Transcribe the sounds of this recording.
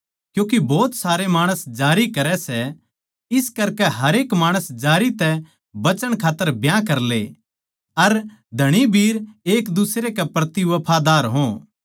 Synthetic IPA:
kjũːk̬ibɔːt̪saːɾemaːɽ̃əsd͡ʒaːɾikɐɾɛsɛ | ɪskɐɾkɛɦɐɾeːkmaːɽ̃əsd͡ʒaːɾit̪ɛ | bɐt͡ʃəɽ̃kʰaːt̪ːəɾbjãkɐɾle | ɐɾ | d̪ʱɐɽ̃ibʱiːɾeːkd̪ʊsɾekɛpɾɐt̪iʋɐpʰad̪aːɾɦõ

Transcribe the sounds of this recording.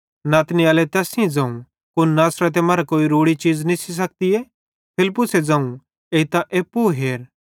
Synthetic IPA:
naːt̪niaːlɛt̪ɛːsɪ̃d͡zãːũ | kʊnnaːsɾət̪̬ɛmaːɾakoːiɾoːɽit͡ʃiːd͡znisis̬ɐk̚t̪iɛ | pʰɪlpːʊsed͡zãːũ | eːit̪ãʔeːpːuɦeːɾ

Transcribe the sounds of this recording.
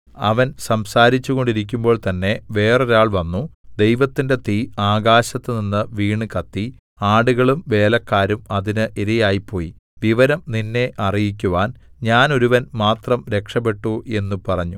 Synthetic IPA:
ɐ̰ʋɐnsɐmsaːɾit͡ɕːuɣo̞ɳɖiɾik̬ʲːumbo̞ːɭt̪ɐnːe̞ʋe̞ːreɾaːɭʋɐnːu | d̪e̞jʋɐt̪ːinde̞t̪iaːɡaːɕɐt̪ːɨninːɨʋiːɳɨkɐt̪ːi | aːɽuɣɐɭumʋe̞ːlɐkːaːɾumɐðinɨʔiðijaːjipʰːo̞ːji | ʋiʋɐɾɐmninːe̞ʔɐrijikʲːuʋaːnɲaːno̞ɾuʋɐnmaːt̪rɐmɾe̞kʂɐpːe̞ʈːue̞nːupɐrɐɲːu

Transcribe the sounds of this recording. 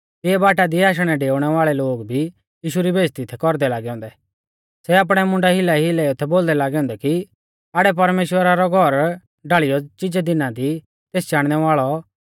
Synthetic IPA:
t̪ɪɛbaːʈad̪iaːʃ̬ɽ̃ɛɖeːʊɽ̃ɛʋaːɭɛloːɡbʱi | jiːʃuɾibʱeːd͡ʒt̪it̪ʰɛkɔɾd̪ɛlaːɡɛɦʊ̃nd̪ɛ | sɛaːp̬ɽ̃ɛmʊ̃ɳɖaɦɪlaɦilɛot̪ʰɛboːld̪ɛlaːɡɛɦʊ̃ːnd̪ɛki | aːɽɛp̬ɐɾmeːʃwəɾaɾɔɡʱɔɾ | ɖaɭijɔt͡ʃɪd͡ʒɛd̪ɪnãd̪i | t̪eːsd͡ʒaːɽ̃ñɛʋaːɭɔ

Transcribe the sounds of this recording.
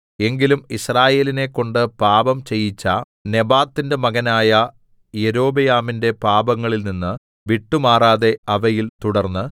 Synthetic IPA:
e̞ŋɡilumisraːje̞ːline̞kːo̞ɳɖɨpaːbɐmt͡ɕe̞jːit͡ɕːɐ | ne̞baːt̪ːinde̞mɐɣɐnaːjɐ | je̞ɾo̞ːbɐjaːminde̞paːbɐŋːɐɭilninːɨ | ʋiʈːumaːraːðe̞ɐʋɐjilt̪uɽɐrnːɨ

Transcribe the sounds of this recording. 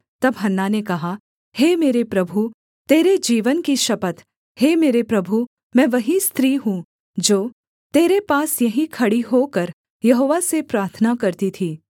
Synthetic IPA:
t̪ɐbɦɐnːanekɐɦa | heːmeːɾepɾɐbʱu | t̪eːɾed͡ʒiːʋənkiʃɐpət̪ | heːmeːɾepɾɐbʱu | mɛ̃ːʋɐɦist̪ʰɾiːɦũ | d͡ʒoː | t̪eːɾepaːsjɐɦĩkʰɐɽiɦokɐɾ | jɐɦoːʋasepɾaːɾt̪ʰənakɐɾt̪it̪ʰiː

